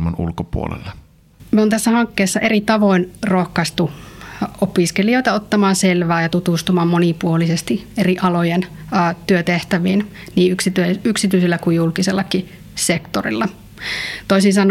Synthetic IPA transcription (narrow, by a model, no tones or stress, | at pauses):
mɑnṵlkopṵo̰lḛlːe | mioːnt̪æsːæhɑŋkːeːsːɑʔerit̪ɑʋoinrohkɑst̪u | opiskelioit̪ɑot̪ːɑmɑːnselʋæːjɑt̪ut̪ust̪umɑːmmonipuolisest̪ieriʔɑlojenː | t̪yøt̪eht̪æʋiːn | niːyksit̪yyksit̪yisilːækujjulkiselːɑki | sekt̪orḭlːɑ | t̪oisinsɑn